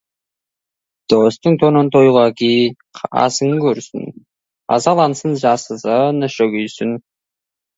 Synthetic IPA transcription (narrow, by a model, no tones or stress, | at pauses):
d̪̥ost̪əɴt̪ʰonont̪ʰojʁɑkʲejʰ | ɑ̰səŋkʲʰɵɾsɪ̰n | ɑ̰zɑlˠɑnsənʒɑsəzənəʃoɡʲʏjsɪn